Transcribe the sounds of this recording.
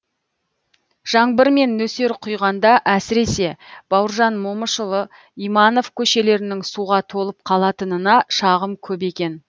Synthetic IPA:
ʒ̥ɑɴbəɾme̞nːɵse̞ɾqʰʊjʁɑnd̪ɑʔæsɪɾe̞se̞b̥ɑwəɾʒɑnmo̞məʃəlˠə | ijmɑno̞fkʲʰɵʃe̞le̞ɾɪnɪŋsuʁɑt̪ʰo̞lˠəp̚qʰɑlˠɑt̪ənənɑʃɑʁəmkʲʰɵbe̞kʲe̞n

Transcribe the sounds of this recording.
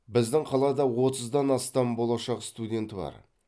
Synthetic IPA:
bɪzd̪ɪŋqʰɑlˠɑd̪ɑwo̞t̪əzd̪ɑnɑst̪ɑmbolˠɑʃɑqst̪ud̪ʲe̞nt̪ɪbɑ̰ɾ

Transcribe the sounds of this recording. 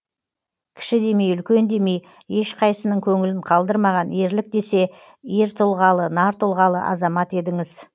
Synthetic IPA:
kʲʰɪ̥ʃɪd̪e̞me̞jʏlkʲe̞nd̪e̞me̞j | e̞ʃqʰɑjsənəɴkʲʰɵŋɪlɪɴqʰɑlˠd̪əɾmɑʁɑne̞ɾlɪk̚d̪e̞se̞ | eɾt̪ʰʊlˠʁɑlˠənɑɾt̪ʰʊlˠʁɑlˠə̰ʔɑ̰zɑmɑt̪e̞d̪ɪŋɪz

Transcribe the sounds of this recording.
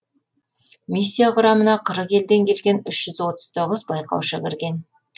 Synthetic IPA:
mʲisʲːijaqʊɾɑmənɑqʰəɾəqe̞ld̪e̞ŋkʲʰe̞lɡʲe̞nʏʃʒ̥ʏzwo̞t̪ə̥z̥t̪ʰo̞ʁəzbɑjqɑ̰wʃəkʲɪɾɡʲe̞n

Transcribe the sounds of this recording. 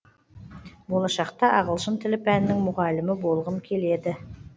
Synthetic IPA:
bolˠɑʃɑqt̪ɑʔɑʁəlˠʃənt̪ʰɪlɪpænɪnɪŋmʊʁɑlɪmɪbo̞lˠʁəmkʲʰe̞le̞d̪ɪ

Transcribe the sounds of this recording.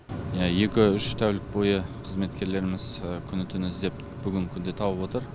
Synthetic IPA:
jɑje̞kʲɪʏʃt̪ʰæwlɪk̚bo̞jəqʰəzme̞t̪kʲe̞ɾle̞ɾɪmɪzəkʲʰʏnɪt̪ʰɪnɪzd̪e̞p̚ | b̥ʏɡʲɪŋkʲʰʏnd̪e̞t̪ʰɑwəpwot̪əɾ

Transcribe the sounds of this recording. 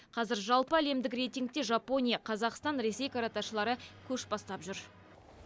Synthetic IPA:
qʰɑzɪɾʒɑlˠpəæle̞md̪ɪkre̞jt̪ʲijŋk̚t̪e̞ʒɑpo̞nʲijɑqʰɑzɑqst̪ɑnɾe̞se̞jkaɾat̪ɑʃəlˠɑɾəkʲʰɵʃbɑst̪ɑpʒʏɾ

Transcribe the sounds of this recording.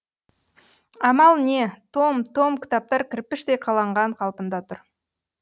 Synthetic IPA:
ɑmɑlˠne̞t̪ʰo̞mt̪ʰo̞mkʲʰɪ̥t̪ɑp̚t̪ɑɾkʲʰɪɾpɪʃt̪ejqʰɑlˠɑɴʁɑɴqʰɑlˠpənd̪ɑt̪ʰʊɾ

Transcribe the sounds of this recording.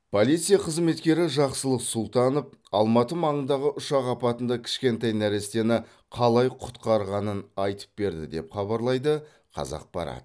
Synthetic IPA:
pʰo̞lijt̪sɨjaqʰəzme̞t̪kʲe̞ɾɪʒɑqsəlˠəqsʊlˠt̪ɑnəp̚ɑlˠmɑt̪əmɑɴənd̪ɑʁəʔʊʃɑqɑpɑt̪ənd̪ɑkʲʰɪ̥ʃkʲe̞nt̪ɑjnæɾest̪e̞nɪ | qʰɑlˠɑjqʰʊ̥t̪qɑɾʁɑnənɑjt̪ə̥p̚be̞ɾd̪ɪ̰d̪e̞pχɑβɑɾlˠɑjd̪ə | qʰɑ̰zɑ̰q̚bɑ̰ɾɑ̰t̪ə

